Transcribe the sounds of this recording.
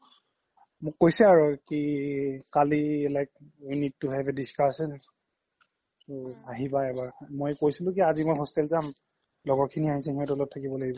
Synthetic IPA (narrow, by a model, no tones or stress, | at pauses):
mʊkkojsɛaɹukikaliɛlajk̚ijnitːʊɦɛbɛdiskasɔn | aɦibaɛbaɹmojkojsilʊ̃kiazimojɦɔstɛlzam | lɔɡɔɹkʰiniaɦisɛɦiɛɔ̃tɛlɔtʰːakibɔlaɡibɔ